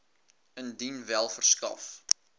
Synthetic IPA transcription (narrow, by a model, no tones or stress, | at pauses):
əndinvælˠfərskɐ̰f